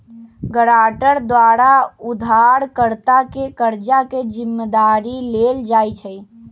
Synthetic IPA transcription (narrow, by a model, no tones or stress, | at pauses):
ɡəɽaːʈəɾd̪ʋaɾaud̪ʱaɾkəɾt̪akekəɾd͡ʒaked͡ʒimːd̪aɾileld͡ʒaːjt͡ʃʰəj